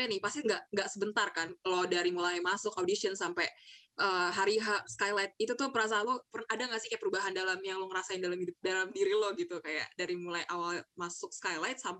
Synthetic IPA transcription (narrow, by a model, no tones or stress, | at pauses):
anɪhpast̪iŋɡaʔŋɡaʔsəbənt̪arkanlɔhdaɾimulajmasʊkawdisiənsampɛ | ʔəːɦaɾiɦaskajlajt̪̚it̪ut̪ʊhpəɾas̬alɔpərnadaŋɡasɪhkajapəɾubaɦandalamjaŋlɔŋəɾasaɪndalamhidʊp̚dalamdiɾilɔhɡit̪ukaja̰ʔdaɾimulajʔawalmasʊk̚skajlajt̪̚samp